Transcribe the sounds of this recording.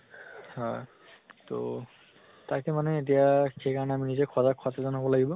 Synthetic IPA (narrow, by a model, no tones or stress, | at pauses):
hɔj | to̰ | takɛmanɛːt̬ijaxejkaɹɔnɛaminizekʰɔzakʰːɔsazɔnɦobɔlaɡibɔ